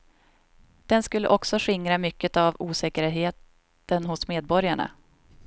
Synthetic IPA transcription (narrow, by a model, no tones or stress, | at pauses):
d̪̥ɛnskɵlːə̰ʔɔksɔɧɪŋɾamʏkːət̪avuːsɛːkəɾɦeːt̪ | ənhʊsmeːd̪̚bɔɾjaɳa̰